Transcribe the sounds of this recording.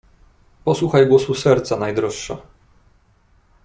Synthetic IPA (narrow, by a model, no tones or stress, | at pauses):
pɔswuxajɡwɔsusɛɾt̪sanajd̪ɾɔʂʂɛ